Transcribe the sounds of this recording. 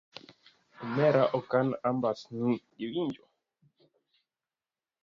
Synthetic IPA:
mɛɾaʔokanambasnũ | iwind͡ʒo

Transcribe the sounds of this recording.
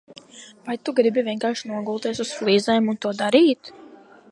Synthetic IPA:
vajt̪uɡɾibivʲiɛnkaːɾʃnuɔɡulˠt̪iɛsusflˠiːzɛːmunt̪uɔd̪aɾiːt̪

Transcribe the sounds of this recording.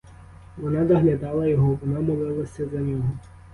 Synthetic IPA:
ʋɔnɑzɐɦlʲad̪ɑlˠɐjɔɦɔʋɔnɑmɔlˠɪlˠɐsʲɐzɐnʲɔɦɔ

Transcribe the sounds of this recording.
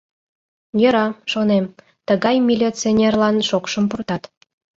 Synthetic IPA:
jəɾɑʃonem | t̪əɣɑjmʲilʲit͡sionʲerlɑnʃokʃəmpurt̪ɑt̪

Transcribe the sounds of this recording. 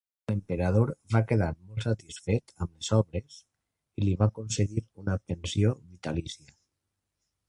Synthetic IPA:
ləmpeɾaðoɾβakeð̞aɾmolˠt̪sət̪isfet̪əmlezɔβɾes | iliβakonseɣiɾunəpensioβit̪alisiə

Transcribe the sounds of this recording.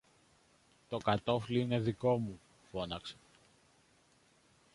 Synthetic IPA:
t̪o̞kɐt̪o̞fliine̞ðiko̞mu | fo̞nɐkse̥

